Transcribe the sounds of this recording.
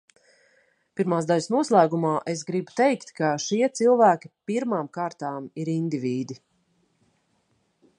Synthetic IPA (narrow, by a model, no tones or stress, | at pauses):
piɾmaːzd̪aʎʲsnuɔslˠæːɡumaːʔesɡɾibu̥t̪ɛjkt̪kaʃiɛt̪silˠvæːkʲi̥piɾmaːmkaːɾt̪aːmiɾind̪iviːd̪i